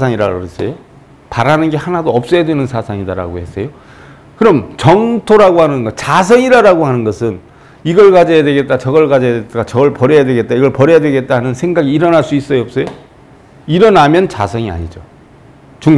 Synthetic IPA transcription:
sʰaŋiɾaɡoes͈ʌ̰jo | paɾanɯnɡe̞hanadoʌp̚s͈ʌjadwe̞nɯnsʰasʰaŋidaɾa̰ɡohe̞s͈ʌjo | kɯɾʌmt͡ɕʌŋtʰoɾaɡohanɯnɡʌt͡ɕas̬ʰʌŋiɾaɾaɡohanɯnɡʌsʰɯn | iɡʌɭɡad͡ʑʌjadwe̞ɡe̞t̚t͈at͡ɕʌɡʌɭɡad͡ʑʌjadetat͡ɕʌɡʌɭpʌɾejadweɡe̞t̚t͈aiɡʌɭpʌɾejadwe̞ɡe̞t̚t͈aanɯnsʰe̞ŋɡaɡiːɾʌnaɭs͈uis͈ʌjʌp̚s͈ʌjo | iɾʌnamjʌnt͡ɕa̰sʰʌŋia̰ɲid͡ʑo | t͡ɕuŋ

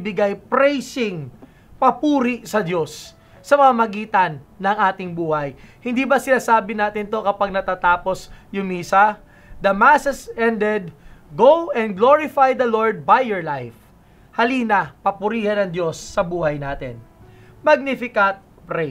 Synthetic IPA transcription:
bɪɡajpɾɛjsɪŋ | pɐpuːɾiʔsɐd̪jo̞s | sɐmɐŋamɐɡiːt̪ɐnːɐŋʔaːt̪ɪŋbuːhɐjhɪnd̪iːbɐsɪnaːsaːbɪnaːt̪ɪnt̪o̞kɐpaɡ̚nɐt̪aːt̪aːpo̞sjʊŋmiːsɐ | d̪ɐmasɛsɛnd̪ɛd̪̚ɡowɛ̃nd̪̚ɡloɹɪfajd̪ɐloɹd̪̚bajːɔɹlajf | hɐliːnɐpɐpʊɾiːhɐnɐŋd̪jo̞sːɐbuːhɐjnaːt̪ɪ̰n | mɐɡ̚nifɪkɐt̪̚ | pɾɛ

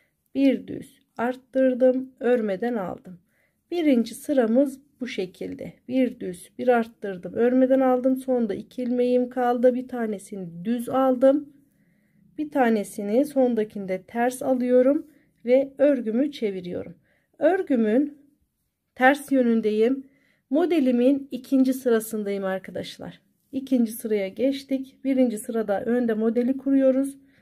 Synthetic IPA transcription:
b̥iɾd̪y̰z̥ | aɾt̪ːɯɾd̪ɯmøɾmed̪æna̰lˠd̪ɯm | b̥iɾind͡ʒisɯɾamɯzbuʃe̞cʰilʲd̪ɛ̰b̥iɾd̪yz̥b̥iɾaɾt̪ːɯɾd̪ɯmøɾme̞d̪ænalˠd̪ɯmso̞nnd̪aʔicʰilʲme̞jimkʰalˠd̪ɯbit̪ʰaːne̞sinid̪yzalˠd̪ɯm | b̥it̪ʰaːne̞siniso̞nnd̪acʰind̪ɛt̪ʰæɾsalˠɯjo̞ɾum | vɛøɾɟymyt͡ʃʰe̞viɾijo̞̰ɾum | ø̞ɾɟymyn | t̪ʰæɾsjø̞nynd̪ejimː | o̞d̪elʲiminicʰind͡ʒisɯɾasɯnd̪ajimaɾkʰad̪a̰ʃlˠa̰ɾ̥ | icʰind͡ʒisɯɾajaɟɛt͡ʃt̪icb̥iɾind͡ʒisɯɾad̪aʔø̞nd̪ɛmo̞d̪elʲikʰuɾujo̞ɾuz̥

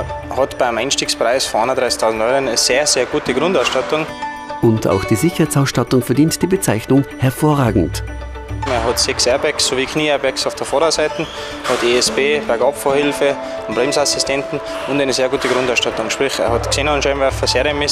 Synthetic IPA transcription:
hɔtb̥aɪmaɪnʃtiːkspʁaɪsfɔɑndəd̥ʁaɪsɪ̥tʰaʊzn̩tɔʏɾənɛseːɐzeːɐɡ̥uːtəɡ̥ʁʊndaʊsʃtatʊŋ | ʔʊntʰa̰ʊxd̥iːzɪçɐhaɪt͡saʊsʃtatʊŋfɛɐdiːntd̥iːbət͡saɪçnʊŋhɛɐfoːɐʁaːɡŋ̩t | eɐɦɔtsɛksɛɐbɛksːoviːkʰniːɛɐbɛksaʊfd̥əfɔɾaʊsaɪtn̩ | hɔteɛsb̥eːb̥ɛɐɡɔpfɔːɐhɪlfə | ʊnb̥ʁeːmsasɪstʰɛntn̩ | ʊ̃ndæɪnəzeːɡuːtəɡʁʊ̃ndaʊsʃtatʊŋʃpʁ̥ixḛɐhɔtkseːnɑnʃɛnvɛɐfɐseːɾəmɪ

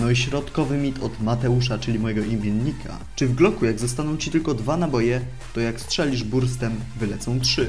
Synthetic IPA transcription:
nɔiɕɾɔt̪kɔvɘmʲit̪ʰɔd̪mat̪ɛuʂat͡ʂɘlʲimɔjɛɡɔimʲjenːikʰa̰ | t͡ʂɘvɡlɔkujaɡzɔst̪anɔ̃w̃t͡ɕit̪ɘlkɔd̪vanabɔjɛ | t̪ɔjakstʂɛlʲiʐbuɾs̬t̪ɛmvɘlɛt̪sɔ̃w̃tʂɘ

